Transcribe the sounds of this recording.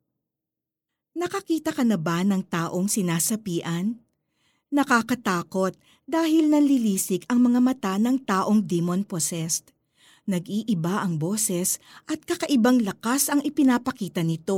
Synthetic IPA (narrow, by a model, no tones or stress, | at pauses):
nɐkɐkiːt̪ɐkɐnɐbanɐŋt̪aːʔo̞ŋsɪnaːsɐpiːʔɐnː | ɐkakɐt̪aːko̞t̪̚ | d̪aːhɪlnɐŋlɪliːsɪkɐŋmɐŋamɐt̪anɐŋt̪aːʔo̞ŋd̪imonposɛst̪̚ | nɐɡʔiːʔɪbaʔɐŋbo̞ːsɛsʔɐt̪̚kɐkɐʔɪbaŋlɐkasɐŋɪpɪnaːpɐkiːt̪ɐnɪt̪o̞